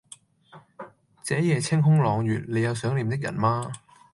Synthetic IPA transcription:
t͡sɛː˨˥jɛː˨˧t͡sʰɪ˥ŋɦʊ˥ŋlɔː˨˧ŋjyː˨˩t̚le˨˧jːɐ˨˧wsœː˨˥ŋliː˨˧mt̪ɪ˥k̚jɐ̰˨˩nmaː˥

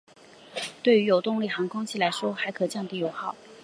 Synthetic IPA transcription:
t̪we˥˩ɪy˧˥jo˨˩ʊt̪ʊ˥˧ŋli˥˩xɑ˧˥ŋkʰʊ˥ŋt͡ɕʰi˥˩la˧˥ɪʂwɔ˥xa˧˥ɪkʰɤ˨˩t͡ɕjɑ˥˩ŋt̪i˥˩jo˧˥ʊxɑ˨˩˦

